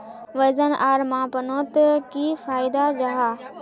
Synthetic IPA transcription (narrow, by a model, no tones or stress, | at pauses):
ʋɐzənʔaːɾmãːpɐnoːt̪ɐkiːfaːɪd̪ad͡ʑaɦaː